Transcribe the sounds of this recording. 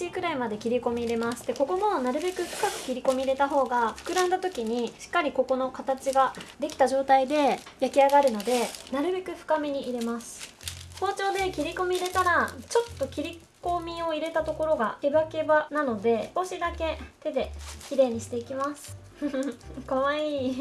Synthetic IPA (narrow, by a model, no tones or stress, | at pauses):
ikɯ̟ɾaimad̪e̞kʲiɾʲiko̞mʲiːɾe̞masɨ̥t̪ːeko̞ko̞mo̞naɾɯ̟be̞kɯ̟ɸɯ̟̥kakɯ̟̥kʲiɾʲiko̞mʲiːɾe̞t̪aɦo̞ːɡaɸɯ̟̥kɯ̟ɾãnd̪at̪o̞kʲiɲ̟iɕi̥kːaɾʲiko̞ko̞no̞kat̪at͡ɕiɡad̪e̞kʲi̥t̪aʑo̞ːt̪aid̪e̞ | jakʲiaɡaɾɯ̟no̞d̪e̞naɾɯ̟be̞kɯ̟ɸɯ̟̥kamʲiɲ̟iʔiɾe̞masɨ̥so̞ːt͡ɕo̞ːd̪e̞kʲiɾʲiko̞mʲiːɾe̞t̪aɾat͡ɕo̞t̪ːo̞kʲiɾʲi | ko̞mʲio̞iɾe̞t̪at̪o̞ko̞ɾo̞ɡaebake̞banano̞d̪e̞bo̞ɕid̪ake̞t̪e̞d̪e̞kʲiɾe̞ːɲ̟iɕi̥t̪e̞ikʲimasɨ̥ | koβaiː